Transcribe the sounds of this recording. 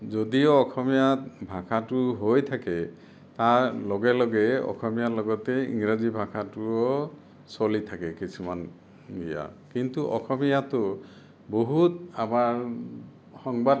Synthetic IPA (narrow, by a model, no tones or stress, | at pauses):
zod̪iɔːkʰɔmijabʱakʰatuɦojt̪ʰakɛ | t̪aɹlɔɡelɔɡɛɔ̰kʰɔmijalɔɡɔt̪ɛḭŋɾazibʱakʰatuɔ | sɔlit̪ʰakɛkisʰuman | ɡija̰kint̪uʔɔkʰɔmijat̪ɔ | boɦut̪amaɹ | hɔŋbad